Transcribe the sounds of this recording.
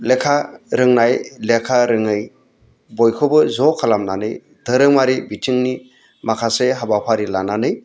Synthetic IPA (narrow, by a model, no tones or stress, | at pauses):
lekʰaɾɯŋnajlekʰaɾɯŋɯj | bɔjkʰɔbɯzɔkʰalamnanɯj | dɯɾɯŋmaɾibitʰiŋni | makʰaseɦabapʰaɾilananɯj